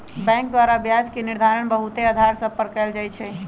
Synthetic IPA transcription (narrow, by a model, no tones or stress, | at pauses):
bɛ̃ŋk̚d̪waɾabjad͡ʒkeniɾd̪ʱaɾəɳ̃bəɦut̪eəd̪ʱaɾsə̃pəɾkəld͡ʒajt͡ʃʰɛ